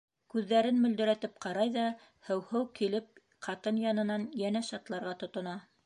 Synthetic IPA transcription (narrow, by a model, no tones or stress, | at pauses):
kʉðːæɾɘnmɵ̆ld̪ɵ̆ɾæt̪ɘp̚qɑɾɑjðɑ | hɘ̆whɘwkilɘp̚ | qʰɑt̪ɤnjɑnɤ̆nɑnjænæʃɑt̪lˠɑɾʁɑt̪ŏt̪ŏnɑ